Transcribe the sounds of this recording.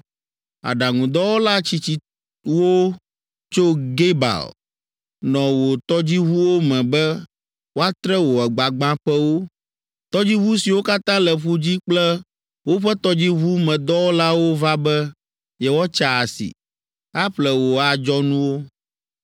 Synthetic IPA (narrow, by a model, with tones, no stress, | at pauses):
a̰˨ɖa˨ŋũ˨d̪ɔ˦wo˦la˦t͡ɕi˨t͡ɕi˦ | wo˦ | t͡ʃo˦ɡe˦ba̰˨l | nɔ̃˨wo˨t̪ɔ˦d͡ʑi˦βu˦wo˦mɛ̃˨bɛ˦ | wo˦a˦t̪ɾɛ˦wo˨ɛ˨ɡ͡ba˨ɡ͡bã˦ɸɛ˦wo˦ | t̪ɔ˦d͡ʑi˦βu˦si˨wo˦ka˦t̪ã˦lɛ˨ɸu˦d͡ʑi˦k͡plɛ˦ | wo˦ɸɛ˦t̪ɔ˦d͡ʑi˦βu˦mɛ̃˨d̪ɔ˦wo˦la˦wo˦va˦bɛ˦ | jɛ˦wɔ˦t͡ʃa˨a˨sḭ˨ | a˦ɸlɛ˦wo˨a˨d͡ʒɔ˦nũ˦wo˦